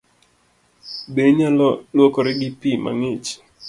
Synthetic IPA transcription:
beɲalwokɔɾɪɡɪpima̰ŋɪt͡ʃ

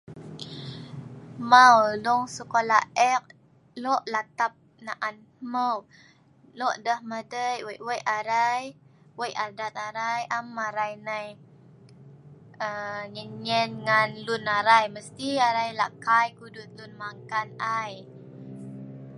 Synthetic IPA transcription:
mawlɔŋsəkolaɛk̚ | lɔʔlat̪ap̚ | naʔan | məw | lɔʔdəhmadəjwəʔwəjʔaɾajwəjʔadat̪̚aɾajamaɾajnaj | əɲənɲɛnŋanlunaɾajməst̪iaɾajlaʔkajkudʊt̪̚lunmaŋkanaj

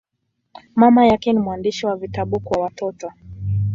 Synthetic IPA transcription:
mamajakɛnimuandiʃiwavitaɓukwawatɔtɔ

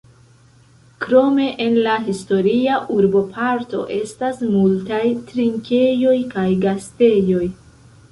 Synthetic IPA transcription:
kɾo̞me̞ʔenlaɦisto̞ɾiaʔuɾbo̞pʰaɾto̞̰ʔe̞stasmultajtɾiŋkʲe̞jo̞jkajɡaste̞jo̞j

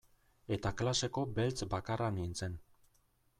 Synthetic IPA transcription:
e̞t̪aklase̞ko̞be̞lt͡sbakaranint͡se̞n

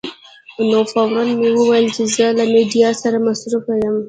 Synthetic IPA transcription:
nofawɾanmewuwajəlt͡ʃɪzəlamiɖijɑsaɾamasɾufajəm

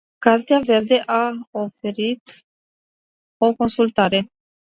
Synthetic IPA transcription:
kart̪eave̞rd̪e̞ʔaofe̞ɾit̪ | o̞ko̞nsult̪aɾe̞

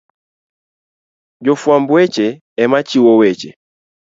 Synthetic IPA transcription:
d͡ʒɔfwambwɛt͡ʃɛː | mat͡ʃiwɔwɛt͡ʃɛ

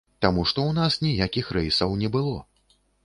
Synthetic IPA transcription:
t̪amuʂt̪ɔwnasnʲijakʲixɾɛjsɐwnʲɛbɨlˠɔ

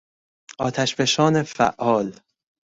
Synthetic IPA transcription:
ʔɒːt̪ʰæʃbeʃɒːne̞fæ̰ʔːɒːl

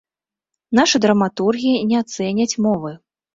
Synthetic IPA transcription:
n̪aʂɨd̪ɾɐmat̪urɣʲijinʲɛat̪sɛnʲɐt͡sʲmɔvɨ

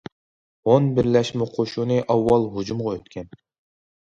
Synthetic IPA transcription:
onbɪɾlɛʃmɪqʰoʃunɨʔɑwːɑlˠɦud͡ʒumʁɑøt̪kʲʰɛn

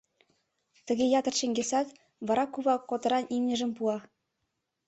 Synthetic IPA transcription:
t̪ɘ̆ɡʲejɑt̪ɤ̆rʃĕŋɡʲesɑt̪ | βɑɾɑkuβɑkːot̪ɤ̆ɾɑnimnʲɘ̆ʒɘ̆mpuɑ

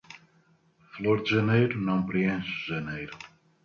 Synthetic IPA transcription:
flˠoɾd̪ʒɐnejɾunɐ̃w̃pɾiẽʃuʒɐnejɾʊ

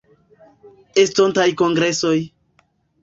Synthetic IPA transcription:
estontajkoŋɡɾeso̞j

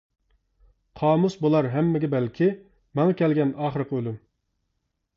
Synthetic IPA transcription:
qʰɑːmusbolˠɑɾɦɛmːɪɡʲɛbɛlkʲʰi | mɛŋɑkʲʰɛlɡʲɛnɑːχəɾəqʰəølym

